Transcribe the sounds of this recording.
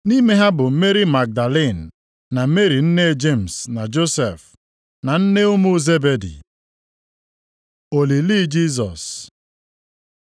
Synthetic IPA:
ni˦me˦ɦa˦bʊ˨m̩˦me˦ɾi˦ma˨k̚da˨le˦˨n̩ː˨ | a˨˦me˦ɾi˨n̩˦ne˦d͡ʒe˦˨m̩˨sna˨d͡ʒo˦sḛ˨f | na˨n̩˦ne˦ʊ˦mu˦ze˦be˨dḭ˨ | o˨li˨li˦d͡ʒi˦s̬ɔ̰˨s

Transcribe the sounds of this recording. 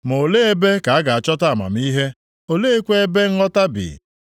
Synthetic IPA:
mo˨le˦e˦be˦ka˨a˦ɡa˨a˨t͡ʃɔ˦ta˦a˨ma̰˨m˦i˦ɦe˦ | o˨le˦e˦kʷe˦e˦be˦ŋ̩˦ŋɔ˦ta˦bḭ˨

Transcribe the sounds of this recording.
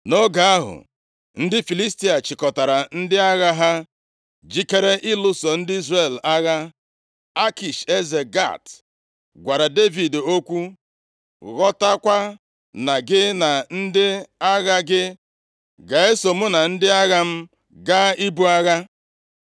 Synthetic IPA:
no˦ɡa˨a˦ɦʊ̰˨ | n̩˦dɪ˦fi˨li˦sti˦a˨t͡ʃɪ˨kɔ˨ta˨ɾa˨n̩˦dɪ˦a˦ɣa˦ɦa˦ | d͡ʒi˦ke˦ɾe˦ʔɪ˦lʊ˦so˨n̩˦dɪ˦i˦zre˨la˦ɣa˦ | a˦ki˨ʃe˦ze˨ɡa̰˦˨t | ɡʷa˨ɾa˨de˦vi˨do˦kʷu˦ | ɣɔ˦ta˦kʷa˦ | na˨ɡɪ˦na˨n̩˦dɪ˦a˦ɣa˦ɡɪ˦ | ɡa˨e˦so˨mʊ˦na˨n̩˦dɪ˦a˦ɣa˦m̩˦ | ɡa˦i˦bu˦a˦ɣa˦

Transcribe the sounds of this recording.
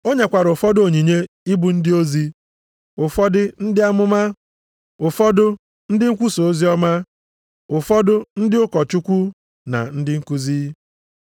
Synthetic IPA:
o˦ɲe˨kʷa˨ɾʊ˨fɔ˦do˨ɲi˨ɲe˦ | i˦bu˨n̩˦dɪ˦o˦zi˦ | ʊ˨fɔ˦dɪ˦n̩˦dɪ˦a˦mʊ˦ma˦ | ʊ˨fɔ˦dʊ˦ | n̩˦dɪ˦ŋ̩˦kʷu˦so˨o˦zi˦ɔ˦ma˦ | ʊ˨fɔ˦dʊ˦n̩˦dɪ˦ʊ˦kɔ˨t͡ʃu˦kʷu˦ | na̰˨n̩˦dɪ˦ŋ̩˦ku˦zi˦

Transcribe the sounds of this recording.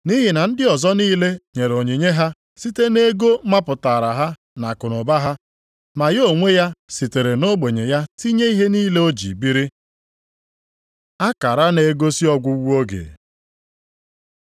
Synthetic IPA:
ni˦ɦɪ˨na˨n̩˦dɪ˦ɔ˨zɔ˦niː˦le˦ɲe˨ɾo˨ɲi˨ɲe˦ɦa˦ | si˦te˦ne˦ɡo˦ma˦pʊ˨ta˨ɾa˨ɦa˦ | na˨kʊ˨nʊ˨ba˦ɦa˦ | ma˨jo˦˨ŋʷe˦ja˦si˨te˨ɾe˨no˦ɡ͡be˨ɲe˨ja˦ti˦ɲe˦i˦ɦe˦niː˦le˦o˦d͡ʒḭ˨bi˦ɾi˦ | a˦ka˨ɾa˦ne˨ɡo˦si˦ɔ˦ɡʷʊ˦wu˦o˦ɡḛ˨

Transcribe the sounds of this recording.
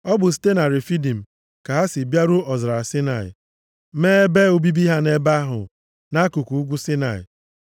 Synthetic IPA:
ɔ˦bʊ˨s̬te˦na˨ɾɪ˨fi˦di˨m̩˨ | ka˨ɦa˦sɪ˨bja˦ɾʊ˦ɔ˨zɾa˨sɪ˦na˨ɪ̰˨ | meː˦e˦be˦o˦bi˦bi˦ɦa˦ne˦ba˦ɦʊ̰˨ | na˦ku˨ku˨u˦ɡʷu˦sɪ˦na̰˨ɪ̰˨

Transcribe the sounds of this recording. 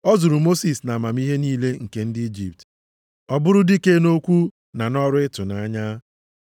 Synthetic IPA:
ɔ˦zʊ˨ɾʊ˨mo˦si˨sna˨ma˨mi˦ɦe˦niː˦le˦ŋ̩˨ke˦n̩˦dɪ˦i˦d͡ʒḭ˨p̚t | ɔ˦bʊ˦ɾʊ˦di˦ke˦no˦kʷu˦ | na˨nɔ˦ɾʊ˦ɪ˦tʊ˨na˨a˦ɲa˦

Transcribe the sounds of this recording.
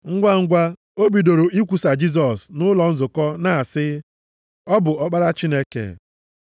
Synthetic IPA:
ŋ̩˦ɡʷa˦ŋ̩˦ɡʷa˦ | o˦bi˨do˨ɾo˨ʔi˦kʷu˨sa˨d͡ʒi˦s̬ɔ˨snʊ˦lɔ˨n̩˦zʊ˨kɔ˦na˨a˨sɪ˦ | ɔ˦bʊ˨ɔ˦k͡pa˦ɾa˦t͡ʃi˦ne˦kḛ˨

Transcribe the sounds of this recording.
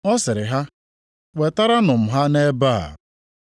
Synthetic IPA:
ɔ˦sɪ˨ɾɪ˨ɦa˦ | we˨ta˦ɾa˦nʊ˨m̩˨ɦa˦ne˦baː˦˨

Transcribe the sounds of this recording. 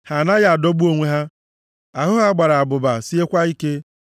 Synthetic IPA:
ha˨na˦ja˨a˨do˦bu˦o˦ŋʷe˦ɦa˦ | a˨ɦʊ˦ɦa˦ɡ͡ba˨ɾa˨a˨bʊ˨ba˨si˦e˦kʷa˦i˦ke˦

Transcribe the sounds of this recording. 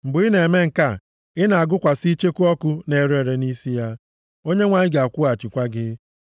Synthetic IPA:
m̩˨bʊ˨ɪ˦ne˨me˦ŋ̩˨ka˦˨ | ɪ˦na˨a˨ɡʊ˦kʷa˨si˦t͡ʃe˦ku˦ɔ˦kʊ˦ne˨ɾe˨ɾe˨ni˦si˦ja˦ | o˦ɲe˦ŋʷa˨ɲɪ˦ɡɪ˨a˨kʷʊ˦a˨t͡ʃi˨kʷa˦ɡɪ˦

